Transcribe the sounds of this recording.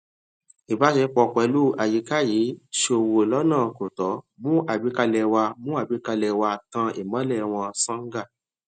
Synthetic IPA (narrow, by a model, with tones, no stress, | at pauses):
i˨ba˨˦ʃɛ˧k͡pɔ˧˨kʷɛ˨˧˦lu˦a˨ji˧˦ka˦˨ji˨˦ʃo˧˨wo˧˨lɔ˦nãː˦˨ko˨tɔ˨˦ | mũ˦ʔa˨bi˨˦ka˧lɛ˧˨wa˧mũ˦a˦˨bi˨˦ka˧lɛ˧wa˧tã˧ḭ˨mã˨˦lɛ˦˨w̃ɔ̃˧sã˦ŋ˦ɡa˦˨